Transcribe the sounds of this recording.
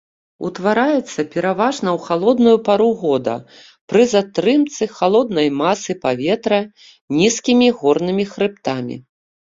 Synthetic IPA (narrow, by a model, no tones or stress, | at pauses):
ṵt̪vaɾajɛt̪sːɐpʲɛɾavaʐnɐwxalˠɔd̪nujupaɾuɣɔd̪ɐ̰ | pɾɨzat̪ɾɨmt̪sɨxalˠɔd̪nɐjmasɨpavʲɛt̪ɾɐ | nʲiskʲimʲiɣɔrnɨmʲixɾɨp̚t̪amʲḭ